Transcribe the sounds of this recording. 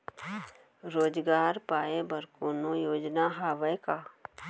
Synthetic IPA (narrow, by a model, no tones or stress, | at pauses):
ɾoːd͡ʒɡaːɾpaːebɐɾkoːnõjoːd͡ʒnaɦaːʋəka